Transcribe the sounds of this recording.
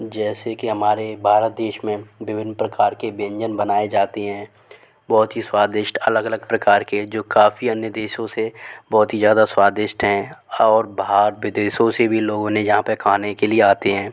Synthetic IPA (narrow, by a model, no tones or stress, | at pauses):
d͡ʒɛːsekiɦɐmaːɾebʱaːɾət̪̚d̪eːʃmẽʋɪʋɪnːpɾɐkaːɾkebə̃ɲd͡ʒənbɐnaːed͡ʒaːt̪eɦɛ̃ː | bɔːt̪ɦiswaːd̪ɪʃʈɐləɡələɡ̚pɾɐkaːɾked͡ʒoːkaːfiɐnjəd̪eːʃõsebɔːt̪ɦizjaːd̪aswaːd̪ɪʃʈɦɛ̃ɔːɾbaaːɾʋɪd̪eːʃõsebʱiloːɡõnẽjɐɦãpəɾkʰaːnekelieaːt̪eɦɛ̃ː